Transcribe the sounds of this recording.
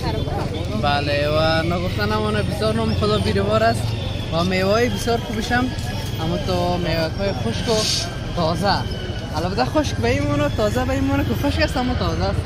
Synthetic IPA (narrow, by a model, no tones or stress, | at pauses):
balewanɔɡʊft̪anamɔnabɪsjɔɾnɔmxʊd̪ɔbiɾibɔɾast̪ | wamewɔjibɪsjɔɾxubɪʃam | amut̪ɔmewakʰɔjixʊʃkʊ | t̪ɔza | alɔbd̪axʊʃkbaimɔnɔt̪ɔzabaimɔnakɪxʊʃkast̪amut̪ɔza